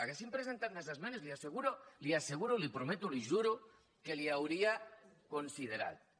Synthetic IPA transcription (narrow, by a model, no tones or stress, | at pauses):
aɣesimpɾesent̪at̪nesazmẽnozliaseɣ̞uɾoliaseɣ̞uɾolipɾomet̪oliʒuɾo | keliawɾiakonsið̞eɾa̰ð